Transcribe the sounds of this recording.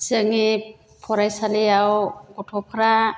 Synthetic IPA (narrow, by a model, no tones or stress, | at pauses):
sɯŋi | pʰɔɾajsaliawɡɔtʰɔpʰaɾa